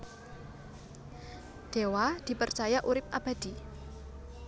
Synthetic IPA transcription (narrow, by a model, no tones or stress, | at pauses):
d̪̥ewad̪̥i̤pərt͡ʃajaʔuɾɪp̚ʔab̥a̤d̪̥i